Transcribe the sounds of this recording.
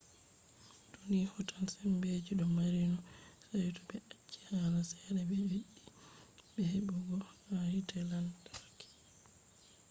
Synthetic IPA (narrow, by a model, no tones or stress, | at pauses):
tonihɔtansɛmbed͡ʒiɗɔmaɾinɔsajtɔbɛʔat͡ʃːi̥halasɛɾɛbɛjiɗibɛhɛbɔɡɔhahitɛlantaakːi̥